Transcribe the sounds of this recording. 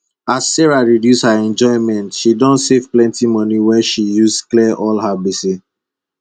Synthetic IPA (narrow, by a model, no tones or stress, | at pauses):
asːɛɹaɹidjushaɛ̃nd͡ʒɔ̃ɪ̃mɛ̃ntʃidɔ̃ntsevplɛ̃ntimɔ̃niwɛʃijusklɛʔɔlhabisi